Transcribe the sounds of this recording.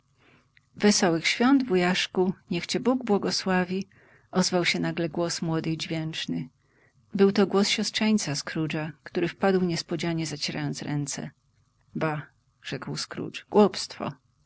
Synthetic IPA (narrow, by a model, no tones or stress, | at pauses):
vɛsɔwɘxɕfʲjɔnd̪vujaʂkuɲɛxt͡ɕɛbuɡbwɔɡɔswavʲi | ʔɔzvawɕɛnaɡlɛɡwɔsmwɔd̪ɘd͡ʑvʲjɛnt͡ʂnɘ | bɘwt̪ɔɡwɔsɕɔstʂɛɲt̪saskɾud͡ʐakt̪uɾɘfpad̪wɲɛspɔd͡ʑaɲɛzat͡ɕɛɾa̰jɔnt̪sɾɛnt̪sɛ̰ | ba | ʐ̥ɛkwskɾṵt͡ʂɡ̥wɔpst̪fɔ̰